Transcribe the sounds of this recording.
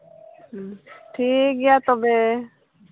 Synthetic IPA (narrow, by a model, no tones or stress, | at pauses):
ʈʰik̚ɡɛjat̪ɔbe